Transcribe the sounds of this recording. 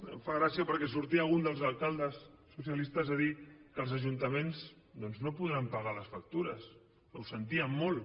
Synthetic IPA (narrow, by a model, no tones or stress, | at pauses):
faɣɾasiəpəɾkɛsuɾt̪iaɣund̪əlˠzalˠkalˠd̪əsː | usjalist̪əzaðikəlˠzəʒunt̪əmenz | d̪ɔnznopuðɾampaɣaləsfak̚t̪uɾəs | awsənt̪iəmːolˠ